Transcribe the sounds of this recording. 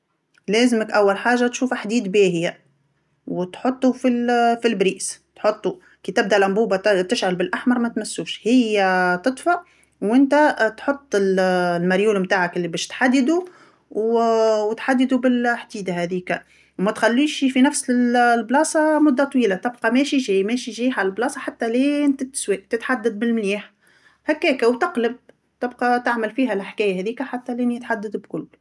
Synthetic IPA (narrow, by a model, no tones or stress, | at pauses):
lɛːzɪməkʔawːalħaːʒːat̪ʃuːfaħd̪iːd̪beːhɪja | wt̪ħot̪ˤːufilfilbɾiːst̪ħot̪ˤːu | kiːt̪ɪb̚d̪æʔlʔæmbuːbat̪ɪʃʕalbɪlʔaħmɑɾˤmæt̪mæsːuːʃhɪjːæt̪ɨt̪ˤfɑʔ | wʔɪnt̪æt̪ħot̪ˤːɪllmaɾjuːlmt̪aːʕakʔɪlːibɛːʃt̪ħad̪ːɪd̪u | wwt̪ħad̪ːd̪ubɪlħd̪iːd̪ahæðiːkæ | mæt̪xalːiːʃifinæfsllblɑːsˤɑmʊd̪ːat̪ˤwiːlat̪ɪbqɑmɛːʃiʒɛːjmɛːʃiʒiːʕalɪlblɑːsˤɑħat̪ːæleːnt̪ɪt̪swiːʔt̪ɪt̪ħad̪ːad̪̚bɪlmliːħ | hækːɛːkæwt̪ɑqləb̚ | t̪ɪbqɑt̪aʕmɪlfiːɦælħkɛːjæɦɛðiːkæħat̪ːæleːnjɪt̪ħad̪ːad̪bkʊlː